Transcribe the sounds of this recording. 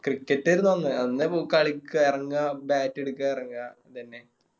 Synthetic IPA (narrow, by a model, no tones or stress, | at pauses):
krikːɐtːɐɾunːuʋɐnːɨɐnːepokːaɭikʲːairɐŋɡabaːtːeɽukːairɐŋɡa | t̪ɐnːe